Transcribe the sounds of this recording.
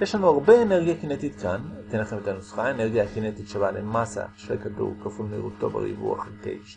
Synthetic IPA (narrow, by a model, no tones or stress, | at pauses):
jeʃhanuaʁbeeneʁɡijakinet̪it̪kant̪eneχemet̪anusχaeneʁɡjakinet̪it̪ʃabaʕlemasa̰ʃʁejkad̪ṵʁkafulmiʁut̪ːo̰ba̰ɾḭbṵa̰χt̪ḛjʃ